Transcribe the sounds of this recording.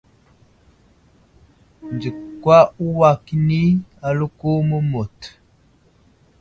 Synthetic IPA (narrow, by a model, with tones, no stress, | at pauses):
nd͡ʒi˨kːwa˦u˦wa˦ki˦ni˦a˨lo˦ko˦mə˦mo˨t